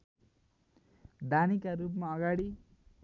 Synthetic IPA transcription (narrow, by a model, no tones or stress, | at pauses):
d̪ʱanikaɾup̬maʌɡaɽi